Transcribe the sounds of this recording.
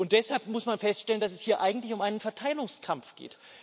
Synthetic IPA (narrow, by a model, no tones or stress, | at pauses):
ʊnt̚d̥ɛshalpmʊsmanfɛstʃtɛləndasɛshiːɐʔaɪɡŋ̩tlɪçʊmʔaɪnənfɛɐtʰaɪlʊŋskʰamfɡ̥ḛːt